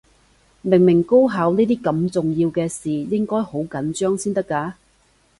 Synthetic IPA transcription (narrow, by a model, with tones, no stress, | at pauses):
mɪ˨˩ŋmɪ˨˩ŋko˥wɦaː˨˧wniː˥t̪̬iː˥kɐ˧mt͡sʊ˨ŋjiː˧wkɛː˧siː˨˩jɪ˥ŋkɔː˥jho˨˥wkɐ˨˥nt͡ʃœː˥ŋsiː˥nt̪ɐ˥kːaː˧